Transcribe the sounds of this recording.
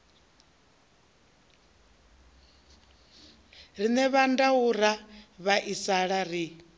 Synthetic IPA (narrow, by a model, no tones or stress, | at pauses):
ɾinɛβandauɾ̤aβaʔisaɺaɾi